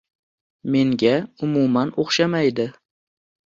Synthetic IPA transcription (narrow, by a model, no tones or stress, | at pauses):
me̞ŋɡʲaʊmumanoχʃamajd̪ɪ